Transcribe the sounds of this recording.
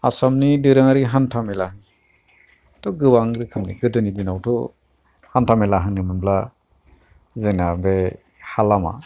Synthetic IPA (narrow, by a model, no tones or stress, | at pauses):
a̰samnidiɾɯŋaɾiɦantʰamelahɯŋi | tɔɡɯbaŋɾikʰɯmnḭɡɯdɯnidinawtʰɔ | hantʰamelaɦɯŋnimɯnbla | zenabe | halama̰